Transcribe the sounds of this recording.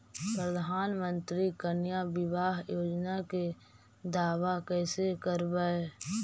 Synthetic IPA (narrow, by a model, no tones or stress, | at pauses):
pɾəd̪ʱaːnmə̃nt̪ɾikənjabɪʋaːɦjoːd͡ʒnake | d̪aːwakɛːsekəɾbae